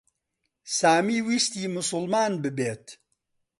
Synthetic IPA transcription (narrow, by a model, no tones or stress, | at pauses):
saːmiːwiʃt̪iːmʊsʊlmaːnbɨbeːt̪